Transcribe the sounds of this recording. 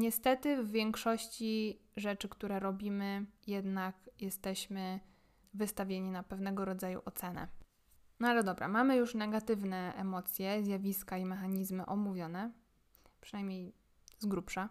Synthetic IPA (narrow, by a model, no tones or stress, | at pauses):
ɲɛst̪ɛt̪ɘvːʲjɛŋkʂɔɕt͡ɕiʐɛt͡ʂɘkt̪uɾɛɾɔbʲimɘjɛd̪nakjɛst̪ɛɕmɘ | vɘst̪avʲjeɲinapɛvnɛɡɔɾɔd̪zajṵʔɔt̪sɛnɛ̰ | nɔalɛd̪ɔbɾa̰mamɘjuʂnɛɡat̪ɘvnɛɛmɔt̪sʲjɛzʲjavʲiskaimɛxaɲizmɘʔɔmuvʲjɔnɛ | pʂɨnajmʲɲej | zɡɾupʂa